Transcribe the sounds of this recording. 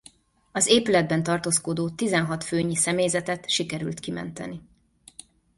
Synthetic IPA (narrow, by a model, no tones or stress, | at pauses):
ɒzeːpylɛd̪̚bɛnt̪ɒrt̪oːskod̪oːt̪izɛnɦɒt̪føːɲisɛmeːjzɛt̪ɛt̪ʃikɛɾylt̪kimɛ̰nt̪ɛ̰ni